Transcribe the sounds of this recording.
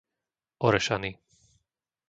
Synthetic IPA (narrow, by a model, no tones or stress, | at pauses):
ʔɔɾɛʃani